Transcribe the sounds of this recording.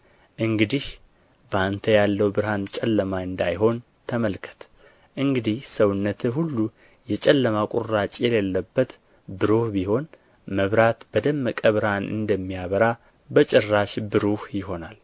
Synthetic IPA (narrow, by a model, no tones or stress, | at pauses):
ʔɨŋɡɨd̪ih | bəant̪ʰəjalːəwbɨɾhant͡ʃʼɛlːəmaɨnd̪ajɦo̞n | t̪ʰəməlkʰə̥t̪ʰ | ʔɨŋɡɨd̪ihsəwɨnːət̪ʰɨɦulːu | jɛt͡ʃʼɛlːəmakʼurat͡ʃʼjɛlelːəbːət̪ | bɨɾohbiho̞n | məβɾat̪b̥əd̪əmːəkʼəβɨɾhanʔɨ̰nd̪əmːijaβəɾa | bət͡ʃʼɛrːaʃbɨɾohjɪho̞nal